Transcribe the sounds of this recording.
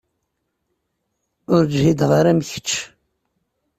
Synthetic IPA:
ʊɾd͡ʒhid̪ʁəɾæmçə̥t͡ʃː

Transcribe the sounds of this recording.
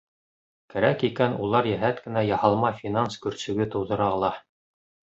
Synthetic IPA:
kæɾækikænulˠɑɾjæɦæt̪kɘ̆næjɑhɑlˠmɑfʲinanskɵ̆ɾsɵ̆ɡɘt̪ŏwðɤ̆ɾɑɤ̆lˠɑ

